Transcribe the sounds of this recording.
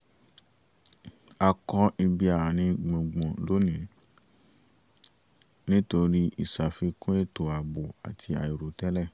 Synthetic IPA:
a˧kɔ˧i˧bi˧a˨ɾa˨nĩ˧ɡ͡bũ˨ɡ͡bɔ̃˨lo˨˦nĩ˨˦ | nĩ˦to˧ɾi˦i˨sa˨fi˧kũ˦e˦˨to˨a˨bo˨a̰˨tʰi˧a˨i˨ɾo˨tɛ˦lɛ˦˨

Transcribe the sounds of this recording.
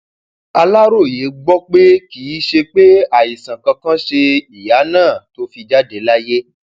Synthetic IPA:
a˧la˦ɾo˦˨je˨˦ɡ͡bɔ˦k͡pe˦kiː˨˦ʃe˧k͡pe˦a˦˨i˨sã˨kã˧kã˦ʃe˧i˨ja˨˦nãː˦˨to˦fi˧d͡ʒa˦de˧la˦je˦

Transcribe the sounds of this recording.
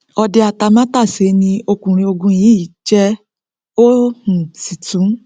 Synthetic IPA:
ɔ˧de˧a˨ta˧mã˦ta˦˨se˨˦nĩ˧o˧kũ˨ɾ̃ĩ˧o˧ɡũ˧jĩː˨˦i˨˦t͡ʃɛ˦ | o˦hũ˨si˨tũ˨˦

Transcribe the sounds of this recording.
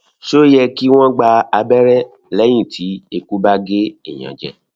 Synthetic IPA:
ʃo˦jɛ˧ki˦w̃ɔ̃˦ɡ͡ba˧a˧bɛ˦ɾɛ˦ | lɛ˦j̃ĩ˦˨tʰi˨˦e˧ku˦ba˦ɡe˦ḭ˦˨j̃ã̰˨d͡ʒɛ̰˧˦

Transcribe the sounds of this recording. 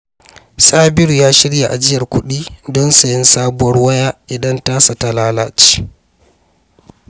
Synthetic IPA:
saː˦bɪ˦ɾu˨jaː˦ʃɪ˦ɽja˨ʔa̰˨d͡ʒɪ˦jɐ˨rkʷʊ˦ɗiː˦dɔ˦nsa˨jɪ˦nsaː˦bʊ˦wɐ˦rwɐ˦jaː˦ʔɪ˨dɐ˦ntaː˦sa˨ta˨laː˦laː˦t͡ʃi̥ː˦

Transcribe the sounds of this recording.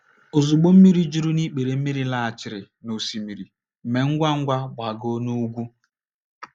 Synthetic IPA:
o˨zu˨ɡ͡bo˦m̩˦mi˦ɾi˦d͡ʒu˦ɾu˦ni˦k͡pe˨ɾe˨m̩˦mi˦ɾi˦la˦˨a˨t͡ʃɪ˨ɾɪ˨ | no˨si˨mi˨ɾi˨ | me˨ŋ̩˦ɡʷa˦ŋ̩˦ɡʷa˦ɡ͡bʷa˨ɡo˦nu˦ɡʷu˦

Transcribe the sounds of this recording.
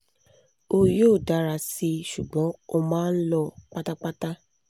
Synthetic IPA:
o˧joː˦˨da˨˦ɾa˧si˧ʃu˨ɡ͡bɔ̃˨˦o˧mãː˦n̩˦lɔ˧k͡pa˦ta˦k͡pa˦ta˦

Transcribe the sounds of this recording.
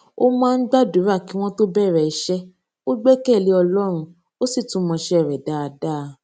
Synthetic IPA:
o˦mãː˦˧n̩˦ɡ͡ba˦du˨˦ɾa˦˨ki˨˦w̃ɔ̃˦to˦bɛ˦˨ɾɛ˧˨i˨˦ʃɛ˦ | o˦ɡ͡bɛ˦kɛ˦˨li˨˦ɔ˧lɔ˦ɾ̃ũ˧ | o˦si˦˨tũ˨˦mɔ̃˧ʃɛ˦ɛ˦˨ɾɛ˨da˨˦a˧da˦˧˨

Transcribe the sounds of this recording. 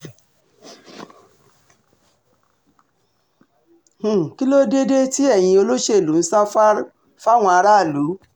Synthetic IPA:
h̩˦˨ki˦lo˦de˦de˦ti˦ɛ˦˨j̃ĩ˧o˧lo˦ʃe˦˨lu˨˦n̩˦sa˦ | fa˦˨w̃ɔ̃˧a˧ɾa˦a˦˨lu˨˦

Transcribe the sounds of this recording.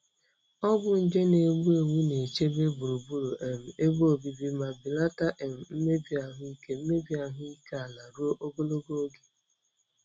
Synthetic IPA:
ɔ˦bʊ˨n̩˨d͡ʒe˦ne˨ɡ͡bu˦e˨ŋʷu˦ne˨t͡ʃe˦be˦bu˨ɾu˨bu˦ɾu˨ʔe˨m̩˨e˦bo˨bi˨bi˦ma˨bi˨la˦ta˦ʔe˨m̩˨m̩˦me˦bi˨˦a˨ɦʊ˦i˦ke˦m̩˦me˦bi˨˦a˨ɦʊ˦i˦ke˦a˨la˨ɾu˦o˦ʔo˦bo˦lo˦ɡo˦o˦ɡe˨

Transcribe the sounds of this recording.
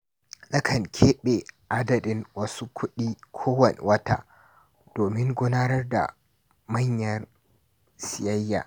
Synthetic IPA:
ɗɐ˦kʰɐ˨ŋkʲʰeː˦ɓe˨ʔa˦dɐ˨dɪ˦ŋwɐ˦su˦kʷʰʊ˦ɗiː˦kʷʰoː˦wɐ˨nḛ˨wɐ˦ta̰ː˦ | d̥oː˨mɪ˦ŋɡʷʊ˦naː˦nɐ˦rda̰˨ | mɐ˦ɲjɐ˦r | sɪ˨jɐ˦jːa̰ː˨

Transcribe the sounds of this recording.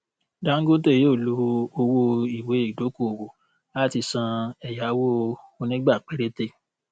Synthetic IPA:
da˦ŋ̩˦ɡo˦te˦˨jo˦˨lu˦o˧wo˦i˨we˨˦i˦˨do˨˦ko˦o˨wo˨ | a˦˨ti˧sã˧ɛ˨ja˨˦wo˦o˧nĩ˦ɡ͡ba˦˨k͡pe˦ɾe˦te˦˨

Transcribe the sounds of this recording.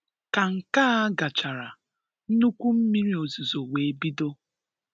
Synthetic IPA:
ka˨ŋ̩˨kaː˦a˦ɡa˨t͡ʃa˨ɾa˨ | n̩˦nu˦kʷu˦m̩˦mi˦ɾi˦o˨zu˨zo˨we˨e˦bi˦do˦

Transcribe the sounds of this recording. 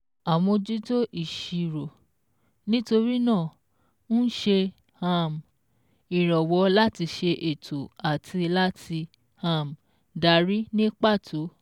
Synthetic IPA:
a˨wɔ̃˧d͡ʒi˦to˦ʔi˦˨ʃi˨ɾo˨ | nĩ˦to˧ɾi˦nãː˦˨ | ñ̩˦ʃe˧ | ha˦˧m˨ | i˨ɾɔ˨wɔ˨˦la˦ti˧ʃe˧ʔe˨tʰo˨a˨tʰi˧la˦tʰi˧ | hã˧˨m˨ | da˨ɾi˦nĩ˦k͡pa˦˨tʰo˨˦

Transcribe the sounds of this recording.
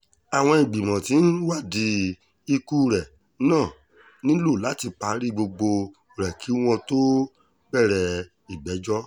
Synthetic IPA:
a˨w̃ɔ̃˧ĩ˨ɡ͡bi˨mɔ̃˨ti˨˦n̩˦wa˦˨di˧ | i˧ku˦˨ɾɛ˨˦ | nãː˦˨ | nĩ˦lo˦˨la˨˦ti˧k͡pa˧˦ɾi˦ɡ͡bo˧ɡ͡bo˧˨ | ɾɛ˨kʰi˨˦w̃ɔ̃˧to˦ | ɡ͡bɛ˦˨ɾɛ˨ | i˨ɡ͡bɛ˨˦d͡ʒɔ˦

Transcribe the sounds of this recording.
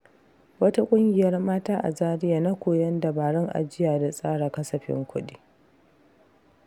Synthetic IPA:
wɐ˦ta˦kʷʼʊ˦ŋɡʲɪ˨jɐ˦rmaː˦taː˦ʔa̰˨zaː˦ɾɪ˦jaː˨na˦kʷoː˨jɐ˦nda˨baː˨ɽɔ˦ŋʔa̰˨d͡ʒɪ˦jaː˨da˨sʼaː˦ɽa˨kɐ˦sɐ˨ɸɪ̰˦ŋkʷʊ˦ɗiː˦

